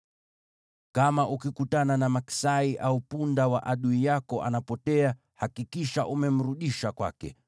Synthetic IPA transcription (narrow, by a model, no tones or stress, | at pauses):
kamaʔukikutananamaki̥saiʔaupundawa̰ʔaɗuijakɔʔa̰napɔtɛa | hakikiʃaʔumɛm̩ɾuɗiʃakwa̰kɛ̰